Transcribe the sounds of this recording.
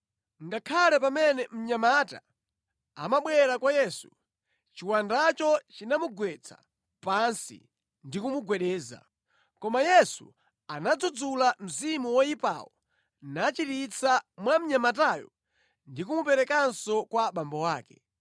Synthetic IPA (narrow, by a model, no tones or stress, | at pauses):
ŋɡakʰalɛp̬amɛnɛm̩ɲamata̰ː | maɓwɛɾakwajɛsu | t͡ʃiwandat͡ʃɔt͡ʃinamuɡwɛt͡sʰa̰ | pansḭ | ndikumuɡwɛɗɛːza̰ | kɔmajɛsṵ | anad͡zud͡zulam̩zimuwɔipa̰wɔ | nat͡ʃitit͡sʰamwam̩ɲamataːjɔ̰ | ndikumupɛɾɛkansɔkwaɓambɔwaːkɛ